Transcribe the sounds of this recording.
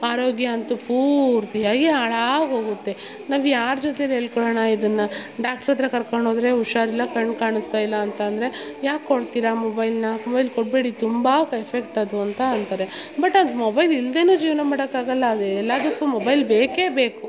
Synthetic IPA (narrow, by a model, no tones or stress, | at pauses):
aːɾoːɡjɐːnt̪upʰuːɾt̪jaːɡeaːɭaːɡɦo̞ːɡut̪ːe̞ | naːʋjaːɾd͡ʒɔt̪eleːɭkɔɭɐɳɐid̪ɐnːɐɖaːk̚ʈɐɾɐt̪ɾɐkɐɾkoɳɖoːd̪ɐɾe̞uʃaːɾilːɐkɐɳɖkaːɳist̪aːjilːɐːnt̪ɐːnd̪ɾe̞jaːkkoɽt̪iɾɐmobɐjlnɐmɔbɐjlkoʈ̚be̞ːɽit̪umbakepʰek̚ʈɐd̪uɐnt̪ɐːnt̪ɐɾebɐʈːɐnd̪mobɐjlild̪e̞ːnuːd͡ʒiːʋnɐmaːɽɐkːaːɡɐlːɐːɛlːaːd̪ɐkːumobɐjlbeːke̞ːbeːku